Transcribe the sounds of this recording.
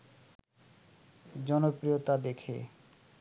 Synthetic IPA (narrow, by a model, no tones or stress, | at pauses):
d͡ʑɔnopɾijot̪ad̪ekʰḛ